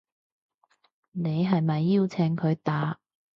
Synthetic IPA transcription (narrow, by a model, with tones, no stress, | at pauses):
ne˨˧jɦɐ˨jmɐ˨jːiː˥wt͡sʰe˧ŋkʰɵ˨˧ɥt̪aː˨˧˥